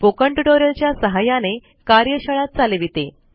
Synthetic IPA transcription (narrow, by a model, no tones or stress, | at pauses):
pokəɳʈuɖoɾəlt͡ɕjasəɦajane | kaɾjəɕəɭat̪̚t͡saleʋit̪e